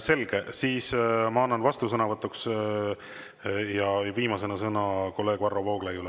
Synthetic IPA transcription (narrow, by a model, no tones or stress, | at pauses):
se̞lɡ̥e̞siːsmɑɑnːɑnvɑst̪us̬ɤnɑvɤt̪ːˑuks | jɑviːmɑse̞nɑsɤnɑko̞lːe̞ːɡ̥vɑrːovɑoɡ̥lejule